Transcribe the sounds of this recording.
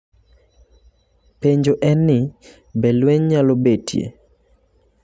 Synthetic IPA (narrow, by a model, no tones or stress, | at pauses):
peɲd͡ʒoʔɛnːɪ | bɛlweɲɲalobetʰjḛ